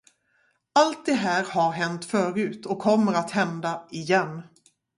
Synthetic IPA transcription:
alt̪̚d̪ɛɦæːɾhaɾɦɛnt̪fœːɾʉ̟ːt̪ɔkʰːɔmːəɾat̪hɛnd̪aɪjɛnː

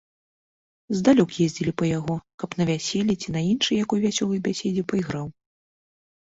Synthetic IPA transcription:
zd̪alʲɔkjɛzʲd͡zʲilʲipɐjaɣɔkɐpnɐvʲasʲelʲit͡sʲinɐinʂɨjakɔjvʲasʲɔlˠɨjbʲasʲed͡zʲɛpɐiɣɾaw

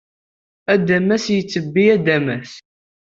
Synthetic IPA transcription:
æd̪æmːæsjət͡sːəbːiæd̪æmæθ

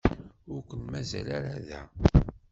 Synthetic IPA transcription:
ʊɾkʷənmæzælaɾaðæ

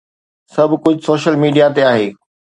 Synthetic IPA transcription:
sɐbʱkʊd͡ʑʱʊsoːʃəlmiːɖijat̪̬eaːɦeː

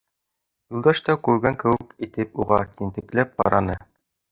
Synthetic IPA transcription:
julˠd̪ɑʃt̪ɑkʉɾɡæŋkɘ̆wɘkit̪ɘpuʁɑk̪int̪ɘ̆klæp̚qɑ̰ɾɑnɤ

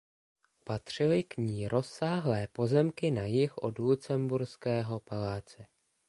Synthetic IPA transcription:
pat̪r̝̥ɪlɪkɲiːɾʔo̞sːaːɦlɛːpo̞zɛmkɪnajɪxʔo̞̰dlut͡sɛmbuɾskɛːɦo̞palaːt͡sɛ

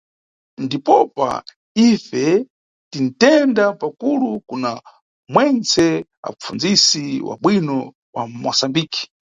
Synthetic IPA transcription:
ndipɔpa̰ | ifɛ | tin̩tɛndapakulukuna | mwɛnt͡sʰɛa̰p͡fund͡zisiwa̰ɓwinɔ | wamɔsambiːki̥

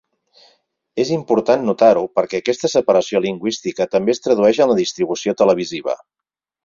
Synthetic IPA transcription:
ezimpuɾt̪anːut̪aɾupəɾkɛəkɛst̪əsəpəɾəsioliŋɡwist̪ikət̪əmbeːst̪ɾəðuɛʃənləðist̪ɾiβ̞usiot̪ələβ̞iziβ̞ə̰

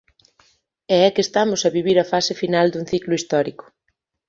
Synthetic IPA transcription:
ɛɛkest̪amʊsɐβiβ̞iɾɐfasɪfinald̪uŋ̟θiklʊist̪ɔɾikʊ̥

